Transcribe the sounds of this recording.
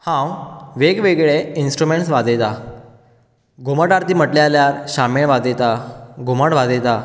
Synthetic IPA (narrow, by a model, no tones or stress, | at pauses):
hãwʋeɡʋeɡɭeinsʈɾumeɳʈsʋad͡z̪et̪a | ɡʱuməʈaɾt̪iːm̤əʈljaljaɾɕameɭʋad͡z̪et̪aɡʱuməɽʋad͡z̪et̪a